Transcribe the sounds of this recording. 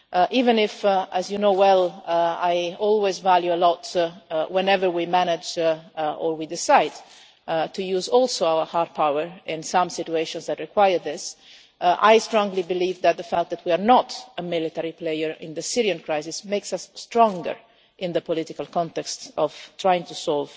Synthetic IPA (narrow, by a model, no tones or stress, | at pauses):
ʔʔivɛ̃nɪfæzjunoʊwɛlajɔlˠwezvæljuəlɔtwɛ̃nɛvəɹwimænɪd͡ʒ | ɔɹwidɪsaɪd | tʰujuːzɔlˠsoawə˞haɹd̚pʰawəɹɪ̃nsãmsɪtueɪʃɔ̃nzðætɹikwajəɹðɪs | ʔa̰jstɹɔ̃ŋɡlibɪliːvðæt̪̚ðəfækt̪̚ðæt̪wiaɹnɔtəmɪlit̪ɛɹiplejəɹɪ̰̃nðəsiɾiãnkʰɹajzɪsmeɪksasːtɹɔ̃ŋɡə̰ɹ | ʔɪ̃nðəpɔlɪt̪ɪkalˠkɔ̃nt̪ɛkstɔv̥tʰɹajɪ̃ŋt̪usɔlv